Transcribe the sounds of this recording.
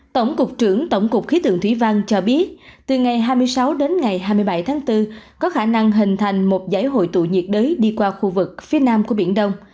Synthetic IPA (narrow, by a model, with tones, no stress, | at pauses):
t̪ə˧˩wŋ͡mkʊ˨˩k͡p̚t͡ɕɨ˧˩əŋt̪ə˧˩wŋ͡mkʊ˨˩k͡p̚xi˨˦t̪ʰɨ̰˧˨əŋt̪ʰwḭ˧˩va˧ŋt͡ɕɔ˧ɓi˦˥ət̚t̪ɨ˨˩ŋa˨˩jɦaː˧jmɨ˧əjsa˨˦wɗe˨˦nŋa˨˩jɦaː˧jmɨ˧jɓa˧˩jt̪ʰaː˨˦ŋt̪ɨ˧kɔ˨˦xaː˧˩na˧ŋɦï˨˩ŋ̟t̪ʰa˨˩jŋ̟mo˨˩t̚za̰ː˧˥jɦo̰˧˨jt̪ṵ˧˨ɲḭ˨˩ət̚ɗəː˨˦jɗi˧kwaː˧xu˧vɨ˨˩k̚fi˨˦ənaː˧mku˧˩əɓḭ˧˩ənɗə˧wŋ͡m